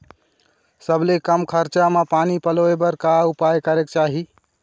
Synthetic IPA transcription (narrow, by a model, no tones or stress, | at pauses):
səbʱlekəmkʰəɾt͡ʃamepanipəloebəɾkaupajkəɾek̚t͡ʃaɦi